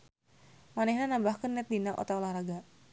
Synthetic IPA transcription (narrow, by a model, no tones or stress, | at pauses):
manɛhnanambahkənːɛt̪̚dinaʔo̰t̪aulahɾaɡa